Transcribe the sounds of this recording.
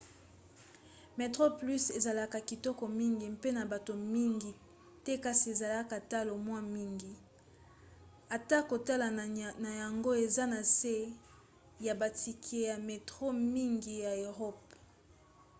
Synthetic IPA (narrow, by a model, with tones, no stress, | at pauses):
me˨tʁo˦ply˦se˨za˨la˦ka˨ki˨tɔ˦kɔ˨mi˦ŋɡi˨m˦pe˦na˨ba˨to˨mi˦ŋɡi˨ | tɛ˦ka˦si˨e˨za˨la˦ka˨ta˦lo˨mwa˦mi˦ŋɡi˨ | a˨ta˦ko˨ta˦la˨na˨ja˨ŋɡo˦e˨za˦na˨se˦ | ja˨ba˨ti˨kʰe˨ja˨me˨tʁo˦mi˦ŋɡi˨ja˨e˨ʁɔ˦p